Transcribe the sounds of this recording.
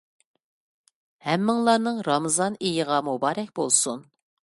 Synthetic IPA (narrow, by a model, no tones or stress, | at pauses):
hɛmːɪŋlˠɑɾnɨŋɾɑmɨzɑnejəʁɑmubɑːɾɛkʲb̥olˠsun